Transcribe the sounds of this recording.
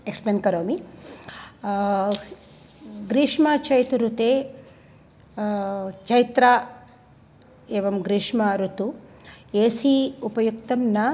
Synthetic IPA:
ekspleːnkɐɾoːmi | ɡɾiːʂmɐt͡ʃɐjt̪uɾut̪eː | t͡ʃɐjit̪ɾaː | eːʋɐmɡɾiːʂmɐɾut̪ueːsiupɐjukt̪ɐmnɐ

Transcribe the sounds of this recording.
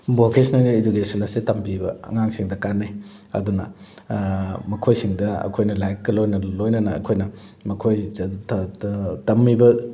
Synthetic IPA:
bokesnɐlidukesɐnɐsetɐmbibɐɐ̰ŋaŋsiŋdɐkanːe | ɐ̰dunɐ̰ | mɐkʰojsiŋdɐɐ̰kʰojnɐlajkɡɐlojnɐlojnɐnɐɐ̰kʰojnɐ | mɐkʰoj | tɐmːibɐ

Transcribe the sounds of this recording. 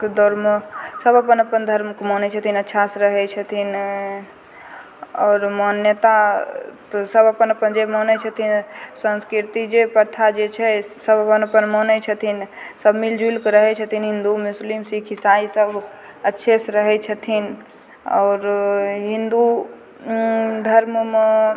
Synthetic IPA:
kd̪oɾmsəbəpənəpənd̪ʱəɾmkmɔnɛt͡ʃʰət̪ʰinətːʃʰasɾəɦɛt͡ʃʰət̪ʰin | ɔːɾmənjət̪at̪ɔsəbəpənəpənd͡ʒemənɛt͡ʃʰət̪ʰinsə̃nskɾiɾt̪id͡ʒepəɾt̪ʰad͡ʒet͡ʃʰɛsəbəpənəpənmənɛt͡ʃʰət̪ʰinsəbʱmild͡ʒulkɾəɦɛt͡ʃʰət̪ʰinɦĩnd̪umuslimsikʰisaisəbʱ | ətːʃʰesɾəɦɛt͡ʃʰət̪ʰin | ɔ̰ːɾɦind̪u | d̪ʱəɾmm

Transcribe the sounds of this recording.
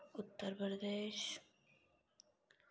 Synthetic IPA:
ʊt̪ːəɾpɾɐd̪eːʃ

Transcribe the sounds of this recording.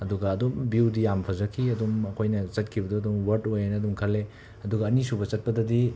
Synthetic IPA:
ɐduɡɐːdombiwdijampʰɐzɐkʰiɐdomɐkʰojnɐt͡ʃɐt̚kʰibɐdoɐdomwɐɾdojanɐɐdumkʰɐlːe | ɐduɡɐːnisubɐt͡ʃɐt̚pɐdɐdi

